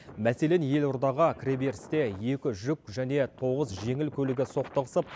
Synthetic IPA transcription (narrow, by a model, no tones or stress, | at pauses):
mæse̞lenje̞lʊɾd̪ɑʁəkʲʰrebe̞ɾst̪e̞je̞kʲɪʒʏk̚ʒæne̞t̪ʰo̞ʁəzʒe̞ŋɪlkʲʰɵlɪɡʲɪso̞qt̪əʁəsəp̚